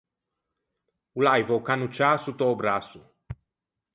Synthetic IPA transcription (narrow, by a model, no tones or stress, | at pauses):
ulajvowkanut͡ʃasut̪oːbɾasu